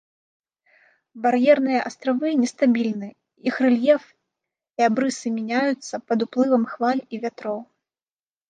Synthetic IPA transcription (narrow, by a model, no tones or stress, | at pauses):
barjɛrnɨjɐʔast̪ɾavɨnʲɛst̪abʲilʲnɨ | ixrɛlʲjɛf | iabɾɨsɨmʲɛnʲajut̪sːɐpɐd̪uplˠɨvɐmxvalʲivʲat̪ɾɔw